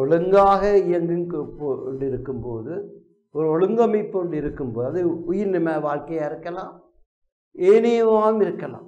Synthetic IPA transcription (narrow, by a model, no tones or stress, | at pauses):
ɔɭɯŋɡaːɣɐɪjɐŋɡɯŋpoɳɖɪɾɯkːɯmpoːðɯ | ɔɾɯɔɻɯŋɡɐmɐɪpːɳɖɪɾɯkːɯmpoːðɯɐðɯʊjɪɾnɪmaːʋaːɻkɐjaːɪɾɯkːɐlãː | eːnɪjɐmaːɯmɪɾɯkːɐlã̰ː